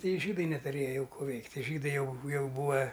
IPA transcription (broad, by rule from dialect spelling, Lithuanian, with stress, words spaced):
ˈtɐɪ ɪ ʒʲiːdɐɪ nʲɛtʊˈrʲeːjɛ ˈjɛʊ ˈkuː ˈʋʲɛɪktʲ tʲiɛ ˈʒʲiːdɐɪ ˈjɛʊ ˈjɛʊ ˈbuːɐ